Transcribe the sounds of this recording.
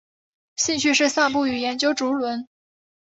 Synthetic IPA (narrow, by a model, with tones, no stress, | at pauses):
ɕi˥˧ŋɕy˥˧ʂɻ̩˥˧sa˥˧ŋp̬u˥˩y˨˩jɛ˧˥nt͡ɕjo˥ʊʈ͡ʂu˧˥lwə˧˥n